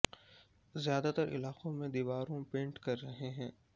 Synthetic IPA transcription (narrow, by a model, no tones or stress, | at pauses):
zjaːd̪at̪ɐɾʔɪ̰laːqõmẽd̪iːʋaːɾõpẽːɳʈkɐɾːɐɦeɦɛ̃ː